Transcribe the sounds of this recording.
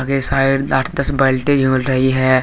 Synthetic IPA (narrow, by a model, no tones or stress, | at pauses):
ɡesaːɪɾaːʈʰd̪ɐsbəlʈed͡ʒʱulɾɐɦiɦɛ